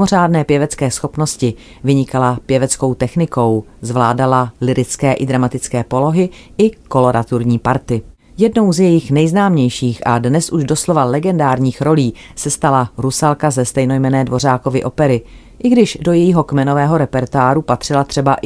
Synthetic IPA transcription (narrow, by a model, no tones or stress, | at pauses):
oraːdnɛːpjɛvɛt͡skɛːsxo̞pno̞scɪ | vɪɲɪkalapjɛvɛt͡sko̞wt̪ɛxnɪko̞wzvlaːdalalɪɾɪt͡skɛːʔɪd̪ɾamat̪ɪt͡skɛːpo̞lo̞ɦɪ | ʔɪko̞lo̞ɾat̪uɾɲiːpaɾt̪ɪ | jɛdno̞wzjɛjɪxnɛjznaːmɲɛjʃiːxʔadnɛsʔuʒdo̞slo̞valɛɡɛndaːɾɲiːxɾo̞liː | sɛst̪alaɾusalkazɛst̪ɛjno̞jmɛnɛːdvo̞r̝aːko̞vɪʔo̞pɛɾɪ | ʔɪɡdɪʒdo̞jɛjiɦo̞kmɛno̞vɛːɦo̞ɾɛpɛɾt̪oaːɾupat̪r̥ɪlat̪r̥ɛbaʔ